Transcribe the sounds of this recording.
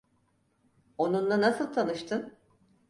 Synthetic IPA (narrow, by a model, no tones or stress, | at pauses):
o̞nunlˠanasɯlˠt̪ʰanɯʃt̪ʰɯn